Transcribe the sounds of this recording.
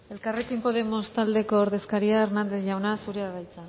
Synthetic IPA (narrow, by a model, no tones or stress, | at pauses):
e̞lkare̞kimpo̞ð̞e̞mo̞st̪ald̪e̞ko̞ːɾðe̞skaɾiaernand̪e̞θʝawnasuɾeaβajt͡sa